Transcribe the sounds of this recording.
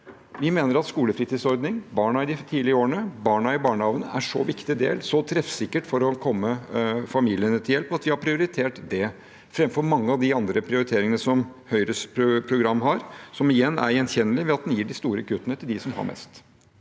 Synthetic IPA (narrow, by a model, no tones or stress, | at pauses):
ʋɪmeːnəɾɑt̪skuːləfɾiːt̪iːsɔɾd̪nɪŋbɑːɳɑɪd̪ɪt̪ʰiːlɪəoːɾəɳəbɑːɳɑɪbɑːɳəhɑːʋnəæʂɔ̰ʋɪkt̪ɪd̪ḛːlsɔt̪ʰɾɛfsɪkːəʈfɔɾɔkʰɔmːəfɑmiːlɪənət̪ʰɪljɛlpɑt̪ʋɪhɑpʰɾɪʊɾɪt̪ʰeːʈd̪ɛ | fɾɛmfɔɾmɑŋːəɑʋd̪ɪɑnd̪ɾəpʰɾɪʊɾɪt̪ʰeːɾɪŋənəsɔmhœʏɾəspʰʊpʰɾʊɡɾɑmːɦɑɾsɔmɪjɛnːæ̰ɾjɛnçɛnːəlɪʋɛɑt̪̚d̪ɛnjiːɖɪst̪uːɾəkʰʉt̪ːənət̪ʰɪld̪ɪsɔmhɑ̰ɾmʔɛ̰st̪